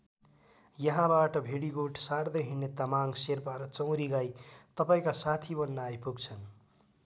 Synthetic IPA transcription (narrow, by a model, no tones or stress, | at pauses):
jʌɦãbaʈʌbʱeɽiɡoʈsard̪ʌɦinːet̪amaŋserpaɾʌt͡sʌ̃w̃ɾiɡajt̪ʌpaĩkasat̪ʰibʌnːaːjpuɡt͡sʰʌn